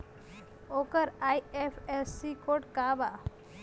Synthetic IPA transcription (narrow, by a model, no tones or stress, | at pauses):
okəɾajepʰesikoʈkaba